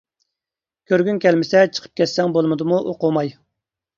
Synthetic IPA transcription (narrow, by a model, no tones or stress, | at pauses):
kʲʰøɾɡʲynkʲɛlmɪsɛt͡ʃʰə̥qʰə̥p̚kʲɛt̪sɛŋbolˠmɨd̪muʔoqʊmɑj